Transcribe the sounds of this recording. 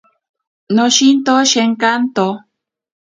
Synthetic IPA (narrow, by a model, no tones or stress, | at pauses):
noʃint̪oʃeŋkant̪o